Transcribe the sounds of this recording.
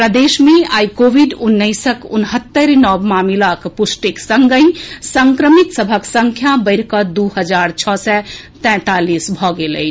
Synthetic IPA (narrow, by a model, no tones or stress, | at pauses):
pɾəd̪esmeajkobʱiɖunːəɪsəkṵnɦət̪ːəɾnɔbmamilakpusʈiksəŋɡə̃j̃səŋkɾəmit̪səbʱəksəŋkʰjabəɪɾkəd̪uɦəd͡ʒaɾt͡ʃʰɔsɛ | t̪ɛ̃t̪alisbʱɔɡelə̰j